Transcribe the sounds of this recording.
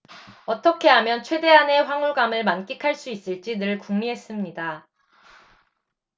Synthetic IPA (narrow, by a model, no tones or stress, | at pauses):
ʌt͈ʌkʰe̞ɦamjʌnt͡ɕʰwede̞ɦane̞ɸwaŋuɭɡamɯɭmank͈ikʰaɭs͈uis͈ɯɭt͡ɕ͈inɯɭkuŋmiɦe̞s͈ɯmɲida